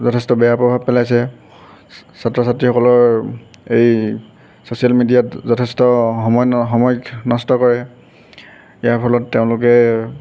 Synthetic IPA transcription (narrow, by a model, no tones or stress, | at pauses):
zɔtʰɛstɔbɛjapɹɔbʱabpɛlajsɛ | satɹɔsatɹixɔkɔlɔɹ | ej | sosialmidijatzɔtʰɛstɔɦɔmɔjxɔmɔjnɔstɔkɔɹɛ | ijaɹpʰɔlɔtːeʊ̃lʊkɛ